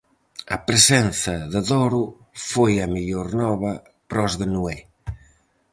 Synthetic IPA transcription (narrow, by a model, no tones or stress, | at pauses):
ɐ̰pɾesɛnθɐðəðɔɾʊ | fojɐmiʎoɾnɔβɐ | pɾɔzðenue